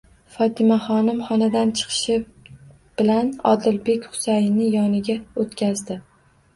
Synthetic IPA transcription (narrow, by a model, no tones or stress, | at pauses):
fɒt̪ʰɪmaχɒnɪmχɒnad̪ant͡ʃʰɨ̥qʰɨ̥ʃɪ | b̥ɪlanɒ̰d̪ɪlbekʲχʊ̥sajɪnːɪjɒnɪɡʲaot̪kʲʰazd̪ɪ